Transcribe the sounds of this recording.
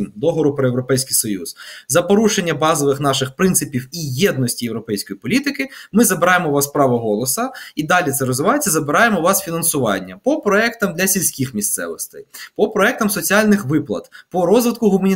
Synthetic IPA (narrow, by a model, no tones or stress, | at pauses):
nd̪ɔɦɔɾʊpɾɔjewɾɔpɛjsʲkijsɔjṵz̥zɐpɔɾuʃenʲːɐbɑzɔʋɪxnɑʃɪxpɾɪnt̪ɪpʲiwijɛd̪̚nɔsʲtʲijewɾɔpɛjsʲkɔjipɔlʲit̪ɪkɪmɪzɐbeɾɑjemɔʋɑspɾɑʋɐɦɔlˠɔsɐid̪ɑlʲit̪sɛɾɔzʋɪʋɑjet͡sʲːɐzɐbɪɾɑjemɔʋɑsfʲinɐnsʊʋɑ̰nʲːɐpɔpɾɔɛkt̪ɐmd̪lʲɐsʲilʲsʲkʲixmʲist̪sɛ̰ʋɔst̪ɛ̰jpɔpɾɔɛk̚t̪ɐmsɔt͡sʲialʲnɪxʋɪplˠɐ̰t̪pɔɾɔzʋɪt̪̚kʊɦʊmɐnʲi